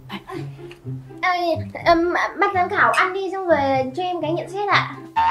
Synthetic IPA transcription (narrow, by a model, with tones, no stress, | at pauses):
ʔəː˨˩ʔəː˨˩m˨˩ɓa˦˥t̚zə˨˦nkaː˧˩wʔa˧nɗi˧zʊ˧ŋ͡mvəː˨˩˨t͡ɕɔ˧ʔɛ˧mkaː˨˦ɲḭ˧˨əmsɛ˦˥t̚ʔa̰ː˧˨